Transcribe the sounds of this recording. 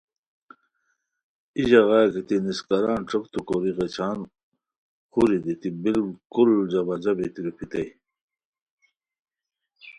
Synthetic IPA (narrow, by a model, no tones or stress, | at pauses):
iʑɐɣɑkit̪iniskɐɾaːnʈ͡ʂəkt̪ukoɾiʁet͡ɕʰaːn | xuɾid̪it̪ibilkuld͡ʑɐbɐd͡ʑɐbit̪iɾupʰit̪ɐj